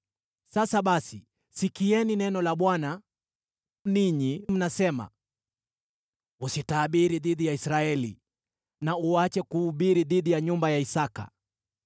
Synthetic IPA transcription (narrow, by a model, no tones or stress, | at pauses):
sasaɓasi | sikiɛninɛnɔlaɓwana | niɲim̩nasɛma̰ | usitaːɓiɾiðiðijaisɾaɛlḭ | nauat͡ʃɛkuːɓiɾiðiðijaɲumbajaisaka̰